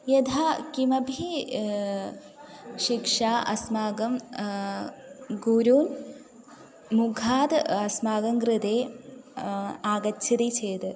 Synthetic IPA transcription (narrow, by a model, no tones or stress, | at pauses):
jɐd̪ʱakimɐbʱi | ʃikʂaːʔɐsmaːɡɐm | ɡuːɾuːn | muɡʱaːd̪ɐsmaːɡɐŋɡɾɨd̪eː | aːɡɐid̪it͡ʃʰeːd̪ɨ